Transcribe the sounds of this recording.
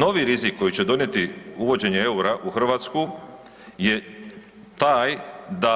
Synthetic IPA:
no̞ʋiɾizikʰːo̞jit͡ɕe̞d̪o̞nje̞t̪iuʋo̞d͡ʑe̞ɲeeuɾaʔuxr̩ʋaːt̪sku | je̞ | t̪aːjd̪a

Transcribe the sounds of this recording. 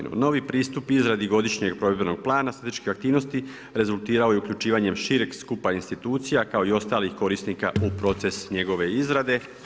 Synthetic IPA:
nṵno̞ʋipɾiːst̪upizɾad̪iɡo̞d̪iʃɲe̞ɡpɾo̞ʋebɾno̞ɡ̥̚plˠaːnasat̪eʃkiak̚t̪iːʋnost̪i | ɾe̞zulˠt̪iːɾao̞jeukʎut͡ʃiːʋaɲe̞mʃiɾeɡskupainst̪it̪uːt̪sijakao̞io̞st̪aːlixko̞ɾisnika̰upɾo̞t̪se̞sɲe̞ɡo̞ʋe̞izɾad̪e̞

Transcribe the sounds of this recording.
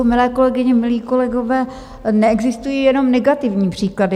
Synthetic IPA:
omɪlɛːko̞lɛɡɪɲɛmɪliːko̞lɛɡo̞vɛː | nɛɛɡzɪst̪ujiːjɛno̞mnɛɡat̪ɪvɲiːpr̝̥iːkladɪ

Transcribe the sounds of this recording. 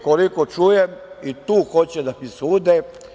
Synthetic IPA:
kolikot͡ʃujemit̪uːxot͡ɕed̪amisuːd̪e

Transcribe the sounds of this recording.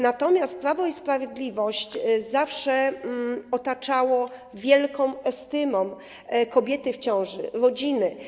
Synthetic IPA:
nat̪ɔmʲjast̪̚pɾavɔispɾavʲjed̪lʲivɔɕt͡ɕzafʂɛ | ɔt̪at͡ʂawɔvʲjɛlkɔ̃w̃ɛst̪ɘmɔm | kɔbʲjɛt̪ɘft͡ɕɔ̃w̃ʐɘɾɔd͡ʑinɘ

